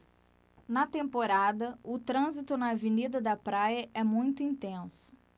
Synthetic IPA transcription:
nɐt̪ẽmpoɾad̪ɐʊt̪ɾɐ̃zit̪ʊnɐːvenid̪ɐd̪ɐpɾajɐʔɛmũj̃t̪ʊĩnt̪ẽsʊ̥

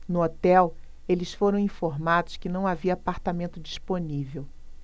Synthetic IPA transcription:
nʊot̪ɛw | elɪsfoɾɐ̃w̃ĩfoɾmad̪ʊskɪnɐ̃w̃aviɐːpaɾt̪amẽnt̪ʊd͡ʒisponivew

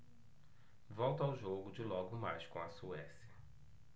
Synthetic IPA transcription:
vɔwt̪ɐawʒoɡʊd͡ʒɪlɔɡʊmajskõɐsuɛsiɐ

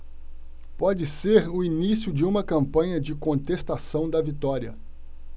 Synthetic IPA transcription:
pɔd͡ʒɪseɾʊinisiʊd͡ʒɪũmɐkɐ̃mpɐ̃ɲɐd͡ʒɪkõnt̪est̪asɐ̃w̃d̪ɐvit̪ɔɾiɐ̰

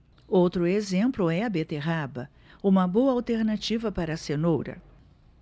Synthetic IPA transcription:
owt̪ɾʊezẽmplʊɛɐbet̪eɦabɐ | ũmɐbowɐawt̪eɾnat͡ʃivɐpaɾɐsenowɾɐ̰

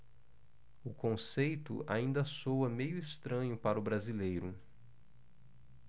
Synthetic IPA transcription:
ʊkõsejt̪ʊ̰a̰ĩnd̪ɐsowɐmejʊɪst̪ɾɐ̃ɲʊpaɾʊbɾazilejɾʊ

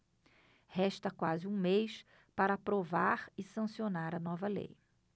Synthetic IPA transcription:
hɛʃt̪ɐkwazɪũmejs | paɾɐapɾovaɾɪsɐ̃sionaɾɐnɔvɐlḛj

